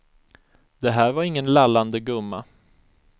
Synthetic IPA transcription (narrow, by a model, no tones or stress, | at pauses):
d̪̥ɛɦæːɾvaɾɪŋːənlalːand̪əɡɵmːa